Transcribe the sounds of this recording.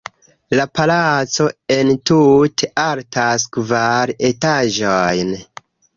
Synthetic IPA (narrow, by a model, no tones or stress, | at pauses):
lapalat͡so̞e̞ntutʰeʔaltaskvaɾe̞taʒojn